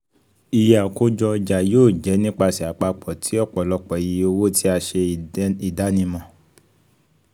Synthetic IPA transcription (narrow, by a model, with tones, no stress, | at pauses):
i˧ja˨ko˦d͡ʒɔ˧d͡ʒa˨joː˦˨d͡ʒɛ˨˦nĩ˦k͡pa˧si˨a˨k͡pa˧k͡pɔ˨tʰi˨˦ɔ˦˨k͡pɔ˨lɔ˧˦k͡pɔ˨ji˧˦o˧wo˦tʰi˦a˧ʃe˧˨i˨da˨˦nĩ˧mɔ̃˧˨